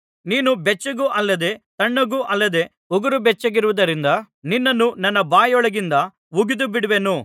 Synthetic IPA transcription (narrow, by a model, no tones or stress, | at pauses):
niːnubɛt͡ʃːɐɡuʔɐlːɐd̪e̞t̪ɐɳːɐɡuːʔɐlːɐd̪e̞ː | uɡɐɾubɛt͡ʃːɐɡiɾuʋud̪ɐɾind̪ɐ | ninːɐnːunɐnːɐbaːjɔɭɐɡind̪ɐ | ʋuɡid̪ubiɽuʋenu